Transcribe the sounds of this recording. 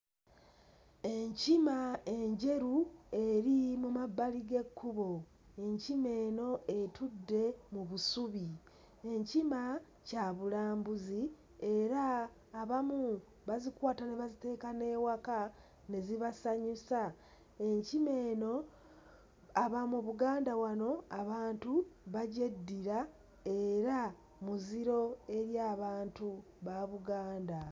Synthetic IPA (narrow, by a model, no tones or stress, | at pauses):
e̞ɲcimae̞ɲɟe̞ɾue̞ɾimumabːaliɡe̞kʰːuβo̞ | e̞ɲcime̞ːno̞ʔe̞tudːe̞muβusuβi | e̞ɲcima | caβulaːmbuzi | e̞ɾaː | βamu | βazikwaːtaneβazite̞ːkane̞waka | ne̞ziβasaɲusa | e̞ɲcime̞ːno̞ | aβamuβuɡaːndawano̞aβaːntuβaɟedːiɾa | e̞ɾa | muziɾo̞e̞ɾjaːβaːntu | βaβuɡaːnda